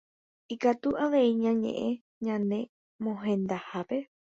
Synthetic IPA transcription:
ikat̪uʔaʋe̞iɲãɲḛ̃ʔẽ | ɲãnẽ̞ | mõɦẽ̞nd̪ahape̞

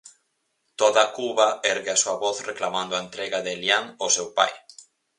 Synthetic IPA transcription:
t̪oðɐkuβɐɛɾɣɪasuɐβoθreklamãnd̪ʊaent̪ɾɛɣɐðɪljaŋosewpa̰j

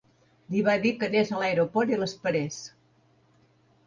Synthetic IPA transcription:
liβaðikənezəlajɾopɔɾt̪iləspəɾes

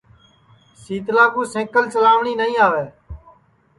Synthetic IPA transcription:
siːt̪lãːkũːsẽːkəlsəlaːʋɳiːnəĩːaːʋeː

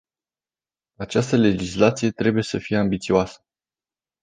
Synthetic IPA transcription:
at͡ʃast̪əle̞d͡ʒislat̪sije̞t̪ɾe̞buje̞səfije̞ambit̪siuoasə̥

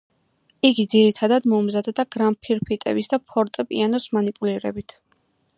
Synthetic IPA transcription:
iɡid̪ziɾit̪ʰad̪ad̪mɔumzad̪d̪aɡɾampʰiɾpʰit̪ʼɛ̰bisd̪apʰɔɾt̪ʼɛpʼḭanɔsmanipʼuliɾɛ̰bit̪ʰ

